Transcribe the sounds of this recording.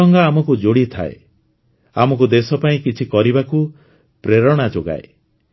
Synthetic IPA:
ɔŋɡaːmɔkud͡ʒoɽit̪ʰa̰ḛ | amɔkud̪esɔpaĩkit͡ʃʰikɔɾibaku | pɾeɾɔɽ̃ad͡ʒoɡa̰e

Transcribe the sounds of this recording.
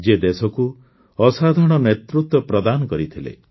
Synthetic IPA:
d͡ʒed̪esɔku | ɔsad̪ʱɔɽ̃ɔnet̪ɾut̪wɔpɾɔd̪anɔkɔɾit̪ʰilḛ

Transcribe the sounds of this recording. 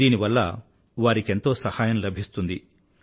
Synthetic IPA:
iːniʋɐlːɐ̰ | ʋaːɾike̞nt̪o̞ːsɐhaːjɐmlɐbʱist̪und̪i

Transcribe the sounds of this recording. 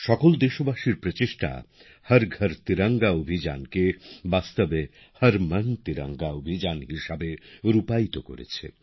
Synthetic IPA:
ʃɔkold̪eʃobaʃiɾpɾot͡ɕeʃʈa̰ | həɾɡʱəɾt̪iɾaŋɡaobʱid͡ʑa̰nkebast̪obe | həɾmənt̪iɾa̰ŋɡaobʱid͡ʑanɦiʃabeɾupajt̪oko̰ɾḛt͡ɕʰḛ

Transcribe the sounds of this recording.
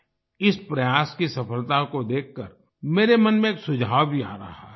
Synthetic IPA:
ɪspɾɐjaːskisɐfəlt̪akod̪eːkʰːəɾ | meːɾemɐnmẽeːksʊd͡ʒʱaːwbʱia̰ːɾɐ̰ɦa̰

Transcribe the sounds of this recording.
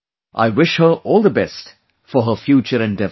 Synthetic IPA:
ʔa̰ɪwɪʃhə˞ɔːlˠd̪əbɛst | fə˞ɦəfjuːt͡ʃəɾɨ̃ndɛv

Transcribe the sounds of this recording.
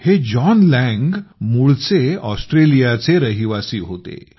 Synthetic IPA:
hed͡ʑɔnlɛ̃ŋɡmuɭt͡seɔsʈɾelijat͡seɾəɦiʋasiːɦot̪ḛ

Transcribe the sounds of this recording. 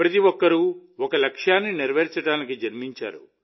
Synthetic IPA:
pɾɐt̪iʋɔkːɐɾuɔkɐlɐkʂjaːnːiniɾʋɐɾt͡ʃɐɽaːnikid͡ʒɐɾmiɲt͡ʃa̰ːɾṵ

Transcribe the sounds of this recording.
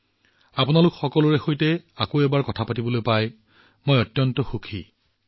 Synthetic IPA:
apʊnalʊkxɔkɔlʊɹɛxojtɛakoɛbaɹkɔtʰapatibɔlojpaj | mojɔtːjɔntɔxukʰḭ

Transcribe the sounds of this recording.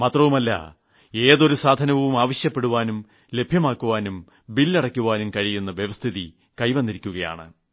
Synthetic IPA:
mɐt̪rɐʋumɐlːɐ̰ | e̞ːðo̞ɾusaːd̪ʱɐnɐʋumaːʋɐɕjɐpːe̞ɽuʋaːnum | le̞bʱjɐmaːkːuʋaːnum | bilːiɐɽɐkʲːuʋaːnumkɐɻijunːɐʋjeʋɐst̪ʰiði | kɐjʋɐnːiɾikʲːuɣɐja̰ːɳɨ̰

